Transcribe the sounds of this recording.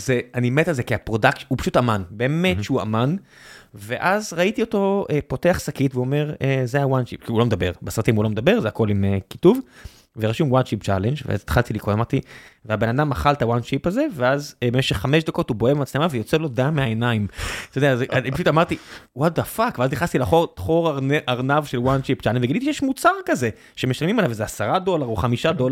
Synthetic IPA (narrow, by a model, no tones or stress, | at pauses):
zeanimet̪alzekiapʁo̞d̪aktupḁʃu̥t̪amanbeːme̞tʃeua̰man | veʔazʁait̪io̞to̞epo̞teaχsakit̪veome̞ʁezeawand̪ʃipkiulo̞med̪abe̞ʁbesʁat̪imhulo̞med̪abe̞ʁzeako̞limeki̥tuv | veʁaʃumwand̪ʃipt͡ʃalend͡ʒvḛa̰zat̪χalt̪ilikʁolamaʁt̪iveabe̞nad̪amaχalt̪awanʃipaze̞veazbemeʃeχːameʃd̪ako̞t̪ubo̞ebemat͡slemavejo̞t͡selo̞d̪amːeaenaimt̪od̪eazeapaʃutamaʁt̪iwad̪afakveazniχast̪ilaχoʁχoʁaʁneʔaʁnavʃelwanʃipt͡ʃalend͡ʒveɡilit̪iʃejɛʃmut͡saʁkaze̞ | ʃemeʃalmimalavezeasaʁado̞laʁuχamiʃad̪ol